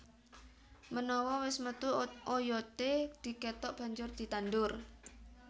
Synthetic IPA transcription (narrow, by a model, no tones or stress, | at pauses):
mənɔwɔwɪsmət̪uojɔt̪ed̪̥i̤ket̪ɔʔb̥ä̤ɲd͡ʒʊrd̪̥i̤t̪anɖʊr